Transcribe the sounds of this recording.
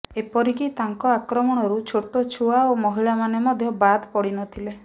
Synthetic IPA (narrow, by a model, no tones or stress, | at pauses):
epɔɾikit̪aŋkɔakɾɔmɔɽ̃ɔɾut͡ʃʰoʈot͡ʃʰuaomɔɦiɭamanemɔd̪ʱjɔbad̪pɔɽinɔt̪ʰile